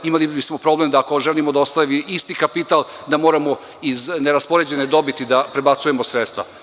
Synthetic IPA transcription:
imalibismo̞pɾo̞blemd̪aːko̞ʒelimod̪aost̪aʋiist̪ikapit̪al | d̪amoːɾamo̞ | izneɾaspo̞ɾe̞d͡ʑe̞ned̪o̞bit̪id̪apɾe̞bat̪suje̞mosɾet̪st̪ʋa̰

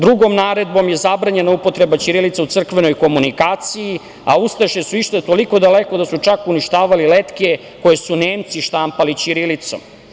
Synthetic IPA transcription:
d̪ɾuɡo̞mnaːɾe̞d̪bo̞mje̞zabɾaɲe̞naupo̞t̪ɾe̞bat͡ɕiɾilit̪saut̪sr̩kʋe̞no̞jko̞munikaːt̪siji | a̰ust̪aʃesuiʃt̪at̪o̞liko̞d̪ale̞ko̞d̪asut͡ʃakuniʃt̪aːʋalilet̪ke̞ | ko̞je̞suneːmt̪siʃt̪ampalit͡ɕiɾilit̪so̰m

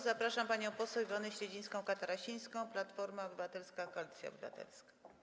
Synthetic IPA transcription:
zapɾaʂampaɲɔ̃w̃pɔsɛwivɔnɘɕɾɛd͡ʑij̃skɔ̃w̃kat̪aɾaɕij̃skɔ̃w̃plat̪fɔɾmaɔbɘvat̪ɛlskakɔlʲit̪sʲja̰ɔ̰bɘva̰t̪ɛ̰lskḁ

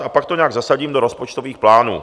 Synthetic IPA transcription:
ʔapak̚t̪oɲɛaːɡzasaɟiːmdo̞ɾospot͡ʃt̪o̞viːxplaːnṵː

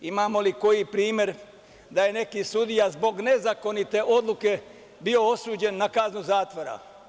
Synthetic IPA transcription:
imaːmo̞liko̞jipɾiːmʲje̞ɾ | d̪aje̞ne̞kisud̪ijazbo̞ɡne̞zako̞nit̪e̞ʔo̞d̪lˠuke̞ | bio̞o̞suːd͡ʑe̞nːakaznuzaːt̪ʋoɾa̰

